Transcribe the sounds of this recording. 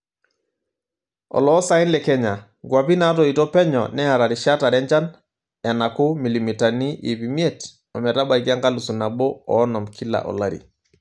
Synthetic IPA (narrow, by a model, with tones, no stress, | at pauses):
ɔ̰˨lɔː˦sa˦i˦nlɛ˨kɛ˦ɲa˨ | ɡwa˨pi˦na˦tɔ˨i˨tɔ˦pɛ˦ɲɔ̰nɛ˦a˨ɾa˨ɾi˨ʃa˦ta˨ɾɛ˦ɲt͡ʃa˦n | a˨na˨kʊ˦mi˨li˨mi˨ta˨ni˦ʔi˨pi˨mi˦e˦t | ɔ˨mɛ˨ɾa˦ba˨iɡa˦ŋɡa˦lu˨su˨na˨bɔ˦ɔː˦nɔ˨mkʰi˦la̰˨ʔɔ̰˨la˦ɾḭ˨